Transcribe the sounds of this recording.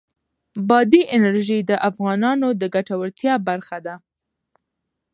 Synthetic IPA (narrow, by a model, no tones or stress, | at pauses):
bɑd̪iʔɪnaɾʒid̪əʔafɣɑnɑnod̪əɡaʈawəɾt̪jɑbaɾxad̪a